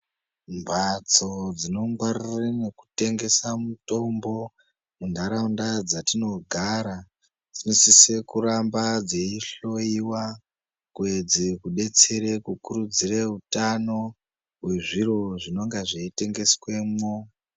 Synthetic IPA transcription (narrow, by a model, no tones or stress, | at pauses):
mbʱat͡so̞d͡zino̞ŋɡwarirene̞ku̥te̞ŋɡe̞samuto̞mbo̞ | mundaɾaundad͡zatino̞ɡʱaɾa | d͡zinosise̞kuɾambad͡zeiɬo̞iwa | kwed͡zikuɗe̞t͡se̞ɾekukuɾud͡zireɦutano̞ | weʐiɾo̞ʐino̞ŋɡaʐeite̞ŋɡe̞swe̞mwo